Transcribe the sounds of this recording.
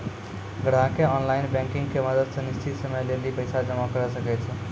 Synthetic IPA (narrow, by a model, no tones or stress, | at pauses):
ɡəɽ̤ãkeɔnlajnbẽŋkiŋɡkemʌd̪əd̪sʌnist͡sʰit̪sʌmʌjlelipəjsad͡zʌmakʌɾʌsəket͡sʰu